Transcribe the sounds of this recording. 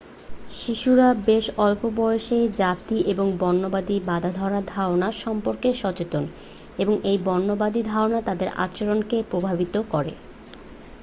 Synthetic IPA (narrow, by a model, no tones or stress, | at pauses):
ʃiʃuɾabeʃɔlpobɔjeʃed͡ʑat̪iʔeboŋbɔnːobad̪ibad̪ʱad̪ʱɔɾad̪ʱaonaɾʃɔmpoɾkeʃɔt͡ɕet̪on | eboŋʔejbɔnːobad̪id̪ʱaonat̪ad̪eɾʔa̰t͡ɕoɾonkepɾobʱabit̪okɔɾḛ